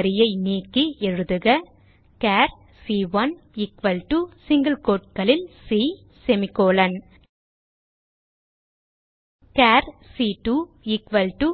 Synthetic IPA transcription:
ɾɪjɐɪniːkːiʔɛɻɯðɯɣɐ | kaːɾ | siːʋɐn | ɪkʋɐlʈusɪŋɡɐlkoːʈ̚kɐɭɪlsi | sɛmɪkoːlɐn | kaːɾsiːʈu | ɪkʋɐlʈu

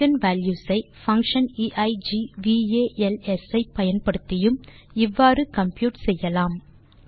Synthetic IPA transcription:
ɐnʋaːljuːsɐɪ | fɐŋkʂɐniːʔɐɪd͡ʒiːʋiːeːʔɛlɛsɐɪpɐjɐnpɐɽɯt̪ːɪjɯmɪʋːaːrɯkɐmpjuːʈsɛjːɐlaːm

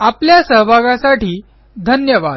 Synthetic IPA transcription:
apljasəɦbʱaɡãsaʈiː | d̪ʱənjəʋad̪

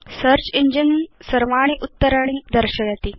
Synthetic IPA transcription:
səɾt͡ɕiɲd͡ʑənsəɾʋaɽ̃iʔut̪ːəɾaɽ̃id̪əɾɕəjat̪i

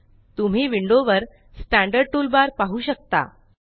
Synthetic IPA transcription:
t̪um̤iːʋiɳɖoʋəɾ | sʈæ̃ɳɖəɾɖ̚ʈulbaɾpaɦuːɕək̚t̪a̰

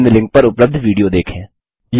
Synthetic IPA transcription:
nlɪ̃ŋk̚pɐɾʊpləb̚d̪ʱʋiːɖijod̪eːkʰẽː | j

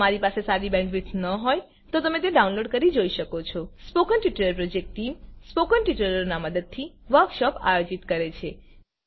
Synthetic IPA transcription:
maɾipasesaɾibɛ̃ɳɖʋiʈsnəɦoj | t̪ot̪əmet̪̬eɖaũnloɖkəɾid͡ʒoiʃəkot͡ʃʰɔspokənʈiʈələɾpɾod͡ʒek̚ʈʈimspokənʈiʈəələonaməd̪əd̪̚t̪ʰiʋəɾkʃɔpa̰jod͡ʒit̪kəɾet͡ʃʰe

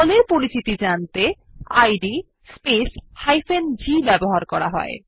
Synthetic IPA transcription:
ɔleɾpoɾit͡ɕit̪id͡ʑant̪e | ajɖi | speshajfʰend͡ʑibɛboɦaɾkɔɾa̰ɦɔ̰e

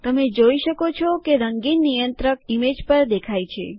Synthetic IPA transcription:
t̪əmed͡ʒoiʃəkot͡ʃʰɔkeɾəŋɡinːijənt̪ɾəkimed͡ʒpəɾd̪ekʰajt͡ʃʰḛ

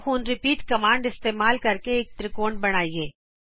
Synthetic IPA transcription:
xuːnɾɪpiːʈkɐmãːɳɖɪst̪eːmaːlkɐɾkeeːk̚t̪ɾɪkoːɳbɐɽ̃aːiɦɛː

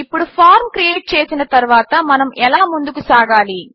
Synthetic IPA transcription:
ɪpːɔɽɯfaːɾmkɾɪeːʈ̚t͡ʃeːsɪnɐt̪ɐɾɯʋaːt̪ɐmɐnɐmɛlaːmʊnd̪ɯkːɯsaːɣaːliː

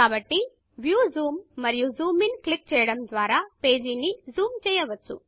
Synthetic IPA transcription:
aːbɐʈːi | ʋjuːzuːmːɐɾijuzuːminklik̚t͡ʃɛjɐɽɐmd̪ʋaːɾaːpeːd͡ʒinizuːmt͡ʃɛjːɐʋɐt͡ʃːṵ

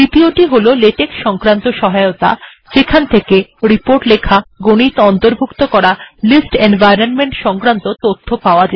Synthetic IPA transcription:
ɾit̪ioʈiɦololeʈekʃɔŋkɾant̪oʃɔɦaeot̪a̰ | ʃekʰant̪ʰekeɾipoɾʈlekʰaɡonit̪ɔnt̪oɾbʱukt̪okɔɾalisʈenbajɾonmeɳʈʃɔŋkɾant̪ot̪ot̪ʰːopaoad͡ʑe

